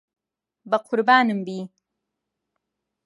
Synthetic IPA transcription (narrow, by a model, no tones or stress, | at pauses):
bɐqʰʊɾbaːnɨmbiː